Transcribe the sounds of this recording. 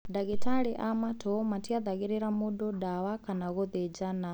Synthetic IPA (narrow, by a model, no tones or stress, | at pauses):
daɣitʰaɺiʔamatʰɔmatʰiad̪aɣiɾɛɾamuɗɔdawakʰanaɣɔd̪ɛd͡ʒana